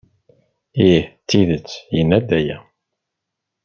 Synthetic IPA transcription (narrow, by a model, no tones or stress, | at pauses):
iħt̪ːiðət͡sːjənːæd̪æjæ